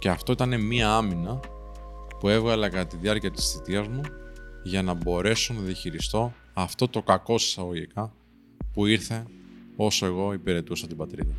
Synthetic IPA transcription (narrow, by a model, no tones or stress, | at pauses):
ce̞ɐft̪o̞it̪ɐne̞miɐɐminɐ | pue̞vɣɐlekɐt̪iðiɐɾciɐt̪i̥sθit̪iɐzmuʝɐnɐbo̞ɾe̞so̞nɐðiɐçiɾist̪o̞ | ɐft̪o̞t̪o̞kɐko̞si̥sɐɣo̞ʝikɐ | puiɾθe̞o̞soe̞ɣo̞ipiɾe̞t̪usɐt̪ibɐt̪ɾiðɐ